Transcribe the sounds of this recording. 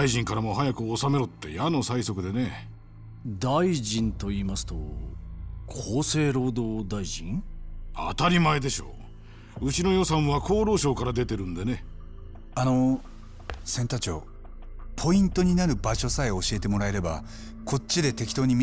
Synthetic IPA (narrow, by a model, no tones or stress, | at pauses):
aiʑĩŋkaɾamo̞ɦajakɯ̟osame̞ɾot̪ːe̞̰jano̞saiso̞kɯ̟d̪e̞ne̞ | d̪aiʑĩnt̪o̞iːmasɨ̥t̪o̞̰ | kʰoːse̞ːɾo̞ːd̪o̞ːd̪aiʑḭ̃ŋa̰t̪aɾʲimaed̪e̞ɕo̞̰ː | ɯ̟t͡ɕino̞jo̞sãɰ̃βakʰo̞ːɾo̞ːɕo̞ːkaɾad̪e̞t̪e̞ɾɯ̟̃nd̪ene̞ | ano̞ | sẽ̞nt̪at͡ɕo̞̰ | pʰo̞ĩnt̪o̞ɲ̟inaɾɯ̟baɕo̞saeoɕie̞t̪e̞mo̞ɾae̞ɾe̞ba̰ | kʰo̞t͡ɕt͡ɕːid̪e̞t̪e̞kʲi̥t̪o̞ːɲ̟imʲ